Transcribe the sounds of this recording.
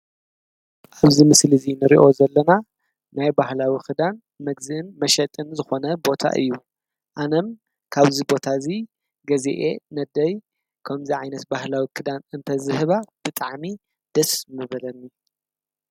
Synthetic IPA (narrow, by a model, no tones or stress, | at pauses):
ʔaβzimɨslizinɨɾḭʔo̞zɐlːɐna | najbahlawixʰɨd̪an | mɐɡzɨʔɨnmɐʃɐt̪ʼɨnzɨxo̞nɐbo̞t̪ʰa̰ʔɨ̰jːu | ʔanɐm | kʰaβzibo̞t̪ʰazi | ɡɐzḛʔenɐd̪ɐj | kʰɐmziʕajnɐt̪bahlawikʰɨd̪anɨnt̪ʰɐzɨɦɨβab̥ɨt̪ʼaʕmi | d̪̥ɐsmɨβɐlɐnːi